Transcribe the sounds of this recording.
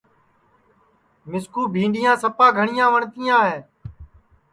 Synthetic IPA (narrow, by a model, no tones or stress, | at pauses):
mɪskuːbʱiːɳɖɪjãːsəpãːɡʱəɳɪjãːʋəɳt̪iːãːɦeː